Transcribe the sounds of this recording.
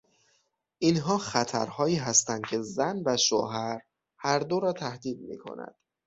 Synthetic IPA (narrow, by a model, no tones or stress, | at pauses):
ʔinɦɒːxæt̪ʰæ̰ɾhɒːjiːɦæst̪ænd̪̥̚cʲʰe̞zænvæʃo̰ɦæɾ | hæɾd̪oɾɒːt̪ʰæhd̪iːd̪̚mḭːkʰo̰næ̰d̪̥